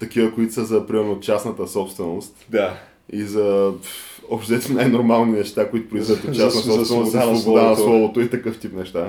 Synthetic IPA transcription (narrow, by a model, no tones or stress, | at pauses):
t̪ɐkivəkoit̪o̥səzɐpɾimɛɾnot͡ʃasnət̪əsɔpst̪vɛnost̪d̪a | izɐ | opt̪ɛɛt̪najnoɾmalˠninɛʃt̪akoit̪ʊ̥pɾoizɡət̪ot͡ʃːasnɐsɔsvɛɛnosvobod̪anɐslˠɔvot̪oit̪ɐkɤft̪ipnɛʃt̪a